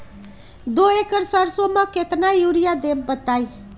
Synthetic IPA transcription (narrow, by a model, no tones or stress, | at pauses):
d̪oekəɾsəɾsomãket̪najuɾijad̪ebbət̪aj